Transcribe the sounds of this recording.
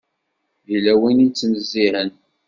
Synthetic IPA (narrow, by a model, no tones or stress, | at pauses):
ðilæwinint͡sːnəzːihən